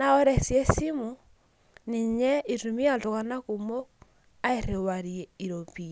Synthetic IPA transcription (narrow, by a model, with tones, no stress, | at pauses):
na˦ɔ˦ɾɛ˨sjɛ˦si˦mu | ni˨ɲɛ˦i˨tu˨mi˦a˨to˨ka˨na˦ku˨mo˦ | a˦e˨ɾe˨wa˨ɾiɛ˨i˨ɾo˨pi˨